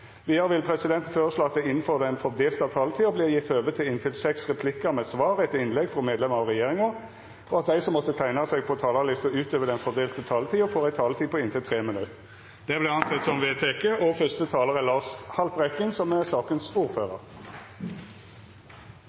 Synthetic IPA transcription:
ʋɪːhɑʁʋɪlpʰʁɛsɪd̪ɛnt̪nføːʁəsloːɑt̪̚d̪æɪɪn̩føːʁd̪ɛnfɔd̪eːlt̪ɑʋt̪ʰɑːlət̪ʰiːɔbliːʁjɪt̪ʰːøːʋət̪ʰɪlɪnt̪ʰɪlsɛksʁɛpʰlɪkəʁmɛsʋɑːʁɛt̪ːɪnlɛɡfɔmeːd̪lɛməʁɔʁɛjeːʁɪŋəʁ | ɔɑt̪̚d̪æɪsɔmːɔt̪ːət̪ʰæɪnɑsɛɡ̚pʰɔt̪ʰɑːlɑlɪst̪əʉːt̪øːʋəʁd̪ɛnfɔʁd̪eːlt̪ət̪ʰɑːlət̪ʰiːɔfoːʁæɪt̪ʰɑːlət̪ʰiːpʰɔɪnt̪ʰɪlt̪ʰʁeːmənʉt̪ | d̪̥ɛblɛɑnsɛt̪sɔmʋeːt̪ʰɛkəʔɔfœst̪ət̪ʰɑːləʁɛlɑːʂhɑlpʁɛkənsɔmæʁsɑːkənsuːʁføːʁəʁ

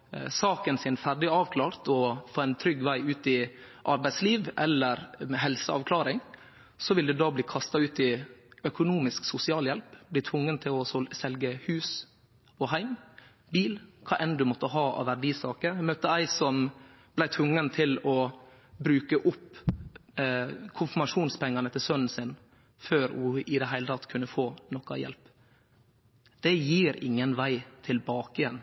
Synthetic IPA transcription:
sɑːkənsɪnfæɾɖɪɑːʋkʰlɑːɾt̪ʰɔfoːæɪnt̪ʰɾʏɡːʋæɪʉːt̪ɪ | ʔɑɾbæɪt̪sliːʋʔɛlːəɾɛɦɛlsəɑ̰ʋkʰlɑːɾɪŋ | sɔʋɪld̪ɛd̪ɑːbliːkʰɑst̪ɑʉːt̪ɪœkʊnuːmɪsksʊsɪɑːljɛlpblɪːt̪ʰʋʊŋːənt̪ʰɪlɔsɛlɡəhʉːs | ɔɦæɪm | biːlkʰɑːʔɛnd̪ʉmɔt̪ːəɦɑːʔɑ̰ʋæɖiːsɑːkəmœt̪ːəæɪsɔm | b̥læɪt̪ʰʋʊŋːənt̪ʰɪlɔ | bɾʉːkəʔʊpː | kʰʊnfɛɾmɑʂuːnspʰɛŋːɑnət̪ʰɪlsœnn̩sɪn | føːɾhʊɪd̪ɛɦæɪlət̪ʰɑt̪ːkʰʉnːəfoːnɔkːɑ̰jɛ̰lp | d̪̥ɛjiːɾɪ̰ŋːənʋæɪt̪ʰɪlbɑːkɪɛn

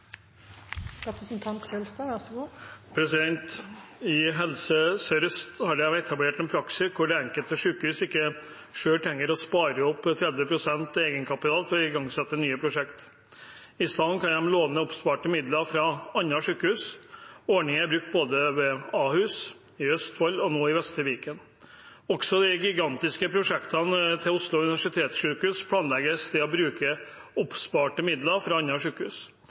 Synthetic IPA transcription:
ɾpsn̩t̪ʰɑnɛlst̪ɑɡuːpʰɾɛsɪd̪ɛnt̪ɪɦɛlsəsœɾst̪hɑɖæɛt̪ʰɑbleːʈɛnpʰɾɑksɪkʰʊɖɛɛŋkəlt̪əʂʉːkəhʉːsɪkːə | ʂøːʈʰɛŋːəɾɔspɑːɾəɔpːt̪ʰɾɛd̪ʋəpʰɾʊsɛnt̪eːɡənkʰɑpɪt̪ʰɑːlfɔɾɔɪɡɑŋsɛt̪ːənyːəpʰɾʊʂɛkt̪ | ɪslɑnkʰɑnj̪ɛmloːʋnəʊpspɑːʈəmɪd̪ləɾfɾɑɑnːɑʂʉːkəhʉːsɔɳɪŋəæɾbɾʉk̚t̪̚boːd̪əʋɛɑːhʉːs | ɪœst̪fɔlːɔnoːɪʋɛst̪əʋiːkən | ɔksɔd̪ɛɡɪɡɑnt̪ɪskəpʰɾʊʂɛkt̪ʰɑnt̪ʰɪlʊslʊʉnɪʋæʂɪt̪ʰeːt̪sʂʉːkəʉːspʰlɑːnlɛɡəst̪ʰɪlɔbɾʉːkəʊpːspɑːʈəmɪd̪ləɾfɾɑɑnːɑʂʉːkəhʉːs

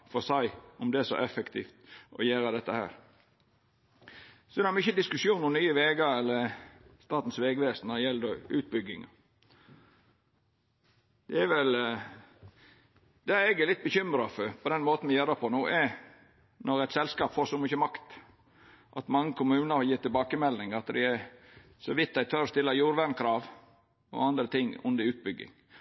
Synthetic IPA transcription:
fɔsæɪɔmd̪ɛæsɔ̰ʔɛfəkt̪ʰḭːft̪ɔ̰jæːɾɑd̪ɛt̪ːəhæ̰ːɾ | sɔd̪ɛhɑɾmɪçəd̪ɪskʉsuːnʊnyːəʋeːɡəɾɛlːəɾst̪ɑːt̪n̩sʋeːɡʋeːsənːɔɾɛjɛld̪əʉːt̪̚bʏɡɪŋɑ̰ | d̪̥ɛæʋɛl | d̪æɛɡɛlɪt̪̚bəçʏmɾɑfɔpʰɔd̪ɛnmoːt̪n̩mɪjøːɾəpʰɔnuːʔɛ | nɔɾɛɪt̪sɛlskɑːpfoːsɔmʏçəmɑkt̪ | ʔɑt̪mɑŋːəkʰʊmʉːnəɾhɑjiːt̪ɪlbɑːkəmɛlnɪŋɑt̪d̪ɪ̰æ | sɔʋɪt̪ːd̪æɪt̪ʰœɾɔst̪ɪlːɑjuːɾʋæɳkʰɾɑːʋ | ɔ̰ɑnd̪ɾət̪ʰɪŋːʊ̰nd̪əɾʉːt̪̚bʏɡːɪ̰ŋ

